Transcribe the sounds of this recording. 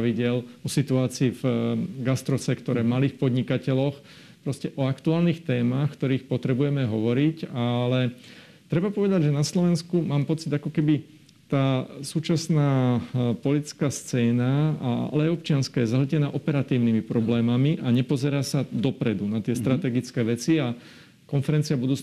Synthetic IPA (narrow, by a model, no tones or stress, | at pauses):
ʋiɟɪɛlɔsit̪uaːt͡siːvɡast̪ɾɔsɛkt̪ɔɾɛːmaliːxpɔd̪ɲikacɛlɔx | pɾɔscɛʔɔakt̪uaːlniːxt̪ɛːmaːxkt̪ɔɾiːxpɔt̪ɾɛbujɛmɛɦɔʋɔɾicalɛ | t̪ɾɛbapɔʋɛd̪aɟʒɛnaslɔʋɛnskumaːmpɔt͡sid̪akɔkɛbi | t̪aːsuːt͡ʃasnaːpɔlit͡skaːst͡sɛːnaaa̰lɛajɔp̚t͡ʃɪanskaːjɛzaɦlcɛnaːʔɔpɛɾat̪iːʊnimipɾɔblɛːmamiʔaɲɛpɔzɛɾaːsad̪ɔpɾɛd̪unat̪ɪɛst̪ɾat̪ɛːɡit͡skɛːʋɛt͡sia | kɔnfɛɾɛnt͡siabud̪uː